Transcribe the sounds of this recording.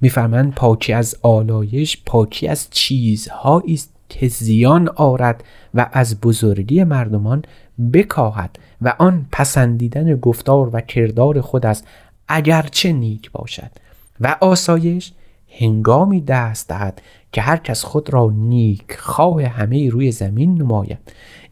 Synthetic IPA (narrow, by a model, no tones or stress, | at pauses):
miːfæɾmænd̪̚pʰɒːcʰiæzɒːlɒːje̞ʃpʰɒːcʰiæzt͡ʃʰiːzhɒːʔiːst̪̚kʰezijɒnɒːɾæd̪̥væʔæzbozoɾɡiːemæɾd̪omɒn | be̞kʰɒːɦæ̰d̪̥ | væʔɒnpʰæsænd̪iːd̪æneɡoft̪ɒːɾvækʰe̞ɾd̪ɒːɾe̞xod̪æs | ʔæɟæɾt͡ʃʰe̞niːkʰbɒ̰ːʃæ̰d̪̥ | væʔɒːsɒːje̞ʃ | he̞ŋɡɒːmiːd̪æːst̪d̪æhæd̪̥ | cʰe̞ɦæɾcʰæsxod̪ɾɒːniːkʰxɒːheɦæme̞jiːɾuːje̞zæminːomɒːjæ̰d̪̥